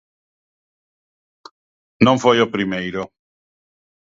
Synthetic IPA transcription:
noɱfɔjopɾimejɾo

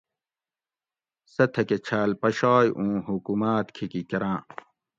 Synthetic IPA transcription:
sɐt̪ʰɐket͡ɕʰaːlpɐɕaːjʔũːɦukumaːt̪kʰikikɐɾãː

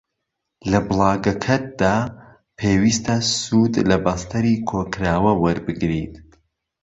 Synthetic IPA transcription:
lɐbɨlˠɑːɡɐkʰɐt̪̚d̪̥aː | pʰeːwiːst̪ʰɐsuːd̪lɐbɐst̪ʰɐɾiːkʰokɾaːwɐwɐɾbɨɡɾḭt̪

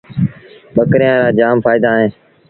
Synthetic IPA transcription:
ɓəkɾijãːɾaːd͡ʒaːmfaːid̪aːɦẽː

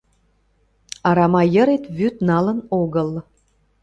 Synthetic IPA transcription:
ɑɾɑmɑjəɾet̪βyt̪nɑlə̆noɣəl

